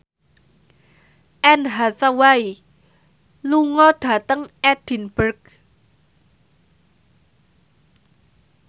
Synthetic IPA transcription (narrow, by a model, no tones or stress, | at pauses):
ʔɛnɦasawai | luŋɔɖ̥a̤t̪əŋʔɛd̥i̤nb̥ərk